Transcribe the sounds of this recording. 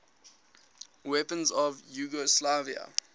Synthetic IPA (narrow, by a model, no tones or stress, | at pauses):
wɛpə̃nzɔvjuːɡɔslaviə̰